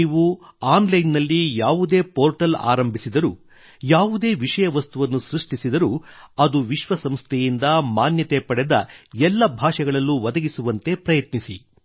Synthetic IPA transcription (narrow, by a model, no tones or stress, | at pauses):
iːʋuaːnlɐjnːɐlːijaːʋud̪e̞ːpoːɾʈɐla̰ːɾɐmbʱisid̪ɐɾṵː | jaːʋud̪e̞ːʋiʂɐjɐʋɐst̪uʋɐnːusɾuʂʈisid̪ɐɾuːɐd̪uʋiʃʋɐsɐmst̪ʰejind̪ɐmaːnjɐt̪epɐɽɛd̪ɐ̰ɛlːɐbʱaːʂɛɡɐɭɐlːuʋɐd̪ɐɡisuʋɐnt̪e̞pɾɐjɐt̪nisi